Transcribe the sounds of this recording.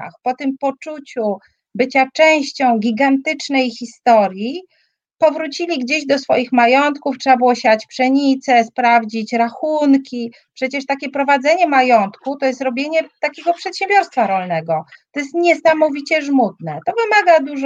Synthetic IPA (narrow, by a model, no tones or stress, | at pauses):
a̰xpɔt̪ɘmpɔt͡ʂut͡ɕu | bɘt͡ɕat͡ʂɛw̃ɕt͡ɕɔ̃w̃ɡʲiɡant̪ɘt͡ʂnɛjxʲist̪ɔɾʲji | pɔvɾut͡ɕilʲiɡd͡ʑeʑd̪ɔsfɔ̰jixmajɔnt̪kuftʂɛbabɘwɔɕat͡ɕpʂɛɲit̪sɛspɾavd͡ʑit͡ɕɾaxunkʲi | pʂɛt͡ɕɛʂt̪akʲɛpɾɔvad̪zɛɲɛmajɔnt̪kut̪ɔjɛst̪ɾɔbʲjeɲɛt̪akʲɛɡɔpʂɛt̪ɕɛ̃mbʲjɔɾst̪faɾɔlnɛɡɔt̪ɔjɛst̪ɲɛsamɔvʲit͡ɕɛʐmut̪nɛt̪ɔvɘmaɡad̪uʐ